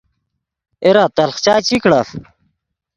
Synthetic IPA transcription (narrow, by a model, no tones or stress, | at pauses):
eɾat̪ɐlχt͡ɕaːt͡ɕikɽas